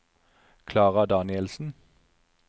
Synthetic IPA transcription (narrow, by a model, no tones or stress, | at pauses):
kʰlɑːʁɑd̪ɑːnɪɛlsn̩